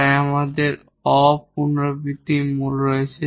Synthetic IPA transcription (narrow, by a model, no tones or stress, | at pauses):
amad̪eɾ | ɔp̚unɾobit̪imulɾoet͡ɕʰe